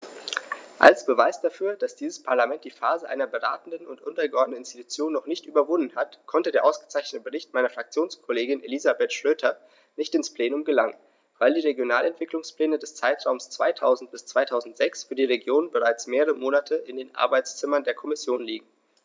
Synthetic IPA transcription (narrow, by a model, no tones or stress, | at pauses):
ʔa̰lsb̥əvaɪsd̥afyːɐd̥asd̥iːzəspʰaɐlamɛnt̚d̥iːfaːzəʔa̰ɪnɐbəʁa̰ːtn̩dən̩ʊ̰ntʔʊntɐɡəʔɔɐdən̩ɪnsti̥tu̥t͡sjoːnːɔχnɪçtʔyːbɐvʊndn̩hatkʰɔntədeːɐʔaʊsɡ̥ə̥t͡saɪçnətəbəʁɪçtmaɪnɐfʁ̥akt͡sjoːnskʰɔleːɡɪnʔelizabetʃʁ̥øːtʰɐ | nɪçtɪnspl̥eːnʊmɡəlaŋən | vaɪldiːʁeɡjonaːlɛntv̥ɪklʊŋspl̥ɛːnədɛst͡saɪtʁ̥aʊmst͡sv̥aɪtʰaʊzn̩t̚b̥ɪst͡sv̥aɪtʰaʊzn̩tz̥ɛksfyːɐdiːʁeɡjoːnnbəʁaɪt͡smeːʁəʁəmoːnatʰəɪndeːnʔa̰ɐbaɪt͡st͡sɪmɐndeːɐkʰɔmɪsjoːnliːɡŋ̩